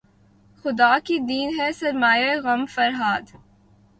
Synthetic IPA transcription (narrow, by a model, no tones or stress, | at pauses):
xʊd̪aːkid̪iːnɦɛsɐɾmaːjeɣɐmfɐɾɦaːd̪